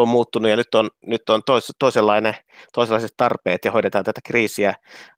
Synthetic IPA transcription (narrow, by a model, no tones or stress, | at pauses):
ommuːt̪ːunujɑnyt̪ːonnyt̪ːont̪oist̪oiselːɑine | t̪oˑiselːˑɑˑiset̪t̪ɑrpeːt̪jɑhoiɾet̪ɑːnt̪æt̪ækriːsiæ